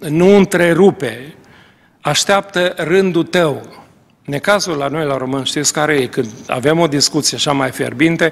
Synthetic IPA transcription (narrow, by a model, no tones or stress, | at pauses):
nuɨnt̪ɾe̞ɾupe | aʃt̪eap̚t̪ərɨnd̪ut̪əw | ne̞kazulːano̞jlaɾo̞mɨnʃt̪it̪skaɾejekɨnd̪a̰ve̞mo̞d̪iskut̪sijeaʃamajfe̞̰rbint̪e